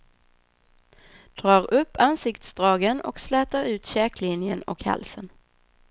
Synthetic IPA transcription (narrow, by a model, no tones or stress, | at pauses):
d̪̥ɾɑːɾɵpːansɪkt̪sd̪ɾɑːɡənɔ̰kslɛːt̪aɾʉ̟ːt̪ɕɛːklɪnjənɔ̰kha̰lsən